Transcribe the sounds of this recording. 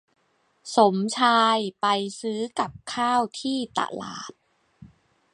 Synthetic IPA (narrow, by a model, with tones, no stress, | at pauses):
so˩˦mt͡ɕʰaː˧jpa˧jsɯː˦˥ka˨˩p̚kʰaː˥˩wt̪ʰiː˥˩t̪a̰˧˩la̰ː˨˩p̚